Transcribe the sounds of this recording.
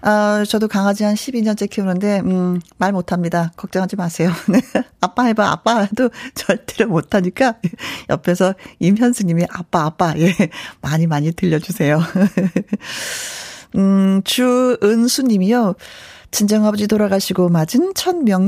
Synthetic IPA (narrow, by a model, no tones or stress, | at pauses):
at͡ɕʌdokaŋɦad͡ʑiɦanɕʰibiɲʌnt͡ɕ͈ekʰeunɯnde̞ɯmaɭmotʰamɲidakʌk̚t͡ɕ͈ʌŋɦad͡ʑimasʰe̞joneap͈aɦebaa̰p͈aadot͡ɕʌɭt͈eɾomotʰaɲik͈ajejʌpʰesʰʌimjʌnsʰɯɲimiʔap͈aːp͈ajemaɲimaɲitɯʎːʌd͡ʑusʰe̞jo | ɯt͡ɕuɯnsʰuɲimijo | t͡ɕind͡ʑʌŋɦabʌd͡ʑitoɾaɡaɕʰiɡomad͡ʑint͡ɕʰʌnmjʌŋ